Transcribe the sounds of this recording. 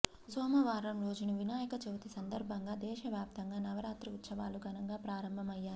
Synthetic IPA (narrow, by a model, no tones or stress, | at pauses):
sɔːmɐʋaːɾɐmɾo̞ːd͡ʒunɐʋinaːjɐkɐt͡ʃeʋɐt̪isɐnd̪ɐɾbʱɐŋɡaːd̪ɛːʃɐʋjaːp̚t̪ɐŋɡaːnɐʋɐɾaːt̪ɾɐut̪sɐʋaːluɡʱɐnɐŋɡaːpɾaːɾɐmbʱɐmɐjːaːɾ